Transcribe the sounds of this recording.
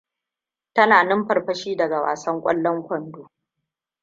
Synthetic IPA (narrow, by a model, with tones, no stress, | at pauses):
tɐ˦naː˨nɪ˦mɸɐ˨rɸɐ˦ʃiː˦dɐ˨ɡa˨wa̰ː˨sɐ˦ŋkʷʼɔ̰˦lːɔ˦ŋkʷɔ˦˨ndoː˨